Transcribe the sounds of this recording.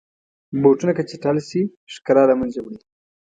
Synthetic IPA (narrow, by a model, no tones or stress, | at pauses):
boʈunakat͡ʃeʈalsi | ʃkaɾɑlamanzebɽi